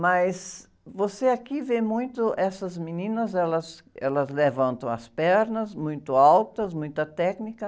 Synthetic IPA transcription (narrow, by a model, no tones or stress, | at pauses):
mɐjs | voseakivemũj̃t̪ʊʔɛsɐzminĩnɐzɛlɐsɛlɐzlevɐ̃nt̪ɐ̃w̃ɐ̰spɛɾnɐzmũj̃t̪ʊawt̪ɐsmũj̃t̪ɐt̪ɛknikɐ